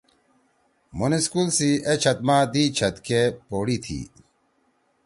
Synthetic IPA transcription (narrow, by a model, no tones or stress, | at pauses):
muniskulsiʔet͡ɕʰɐt̪̚maːd̪iːt͡ɕʰɐt̪kepoːɽit̪ʰḭː